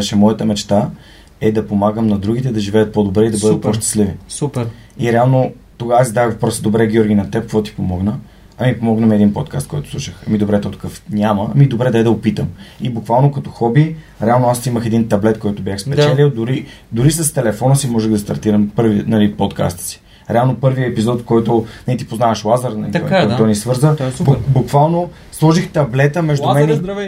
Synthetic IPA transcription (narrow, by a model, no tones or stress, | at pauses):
ɛʃɛmɔjət̪əmɛt͡ʃt̪a | ɛd̪ɐpomaɡəmnɐd̪ɾuɡʲit̪ɛd̪ɐʒivɛjət̪̚pod̪obɾɛid̪ɐbɤd̪ət̪̚poʃt̪ə̥slivisupiɾɛalˠno | t̪oɡasizd̪aəɣvɐpɾɔsəd̪obɾɛɡʲɔɾɡʲinɐt̪ɛp̚kvɔt̪i̥pomɔɡnə | ɐmipomɔɡnɐmɛd̪inpɔt̪ka̰st̪̚kɔjt̪ʊ̥sˠuʃəxɐmid̪obɾɛt̪ɔt̪o̥kɤfnʲaməmid̪obɾɛd̪ɐɛd̪ɐopit̪əmibukvalˠnokɐt̪ɔxɔbi | ɾɛalˠnoasiməxɛd̪int̪ɐblɛt̪kɔjt̪ʊbʲjaxspɛd̪ɛlʲiʊd̪ʊɾi | d̪ʊɾisəst̪ɛlɛfɔnəsimɔʒɛɣd̪ɐst̪ɐ̰ɾt̪iɾɐmpɤɾvinɐlipɔt̪ka̰st̪ə̥si̥ | ɾɛalˠnopɤɾviəɛpizɔt̪kɔjt̪ʊnɛit̪ipoznavəʃlˠazəɾnɐlit̪kɔt̪ɔnisvɤɾzəbbukvalˠno | slˠɔʒixt̪ɐblɛt̪əmɛʒdd̪ʊmɛnɛɾɐ